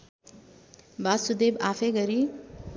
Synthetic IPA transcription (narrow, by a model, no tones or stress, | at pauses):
basud̪ebafʰeɡʌɾi